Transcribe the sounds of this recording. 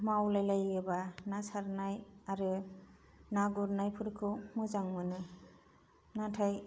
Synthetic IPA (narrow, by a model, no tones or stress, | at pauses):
mawlajlajɯbanasaɾnajaɾɯ | naɡuɾnajpʰɯɾkʰɯwmɯzaŋmɯnɯ | natʰaj